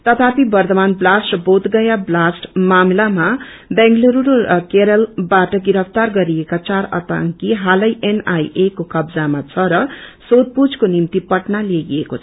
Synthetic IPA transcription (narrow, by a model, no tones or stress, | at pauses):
t̪ʌt̪ʰapibʌrt̪ʌmanblasʈbot̪ɡʌjablasʈmamlama | beŋɡloɾuɾoɾʌkeɾʌlbaʈʌɡiɾʌpʰt̪arɡʌɾiekat͡saɾʌ̰t̪aŋkiɦalʌjʔenajekokʌbd͡zamat͡sʰʌɾʌsod̪̚pud͡zkonimt̪ipʌʈnalieɡiekot͡sʰʌ